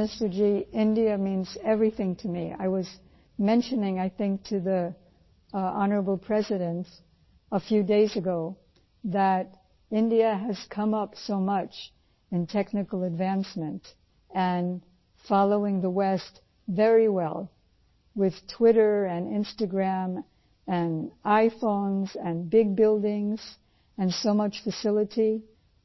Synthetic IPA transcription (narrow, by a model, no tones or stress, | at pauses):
mɪstə˞d͡ʒiɪ̃ndiɨmĩnzɛvɹiθɪ̃ŋtʰɨmia̰ɪwʌz | mɛ̃nʃɨnɪ̃ŋaɪθɪ̃ŋk̚tʰɨði | ɑnə˞əbl̩ˠpʰɹ̥ɛzɨɾɨ̃nt | əfjʉdeɪzɨɡoʊ | ðəɾ | ɪ̃ndiɨɨz̥kʰʌ̃mʌpsoʊmʌt͡ʃ | ɨ̃ntʰɛknɨkl̩ˠɨdvæ̃nsmɨ̃nt | ɨ̃n | fɑlˠoʊɪ̃ŋðəwɛst | vɛɹiwɛ̰lˠ | wɪð̥tʰw̥ɪɾə˞ɨ̃nɪ̰̃nstɨɡɹæ̃m | ɨ̃naɪfõʊ̃nzɨ̃nbɪɡ̚bɪlˠdɪ̃ŋz̥ | ɨ̃nsoʊmʌt͡ʃfɨsɪlˠəɾi